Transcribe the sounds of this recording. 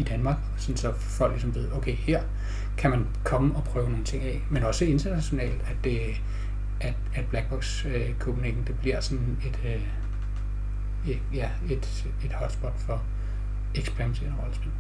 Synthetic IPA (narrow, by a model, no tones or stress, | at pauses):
id̥ænmɑ̈ːɡ̥ɒsɒ̽n̩sɒ̽ | fɒ̽l̰ɡ̥lisɒ̽mʋe̝ð̞̰ˠoʊkʰeɪheɐ̰ | kʰæmæn | kʰɒ̽məɒ̽pʰʁœːʊno̝ːnt͡sʰe̝ŋ̰ɛɪmenɒ̽səe̝nd̥ɐnæɕo̝nɛ̰ːld̥æd̥e | æd̥æd̥̚b̥læɡ̥̚b̥ɒɡ̥s | ø | kʰob̥unḛd̥n̩d̥e̝b̥liɐ̰sɒ̽n | e̝d̥ø | e | jæ | e̝d̥ | e̝d̥hɒ̽d̥sb̥ɒ̽d̥fɒ̽ | eɡ̥spʰæʁimæsʰeɐ̰nəʁɒ̽ləsb̥e̝l̰